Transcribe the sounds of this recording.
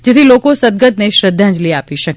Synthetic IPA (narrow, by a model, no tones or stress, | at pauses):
d͡ʒet̪ʰilokosəd̪̚ɡət̪neʃɾəd̪ʱːãd͡ʒliapiʃək